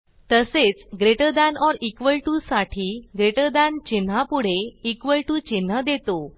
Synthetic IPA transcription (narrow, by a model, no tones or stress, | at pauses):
t̪əset͡sɡɾeʈəd̪anɔɾikʋəɭʈusaʈʰiːɡɾeʈəd̪ant͡ɕin̤apuɽ̤eikʋəɭʈut͡ɕin̤ːəd̪et̪o